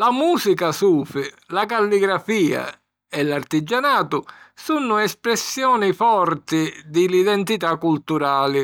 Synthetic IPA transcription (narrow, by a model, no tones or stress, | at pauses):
lamuːsikasuːfɪ | lakalːiɡɾafiːa̰ | ɛlart̪id͡ʒanaːt̪ʊsunːʊɛspɾɛsːjɔːnifɔrt̪ɪd̪ɪliðɛnt̪it̪akːult̪uɾaːlɪ